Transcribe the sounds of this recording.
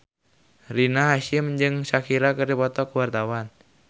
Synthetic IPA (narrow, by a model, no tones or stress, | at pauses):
rinaɦaʃɪmd͡ʒɨŋsakiɾakərdipɔt̪ɔkuwart̪awan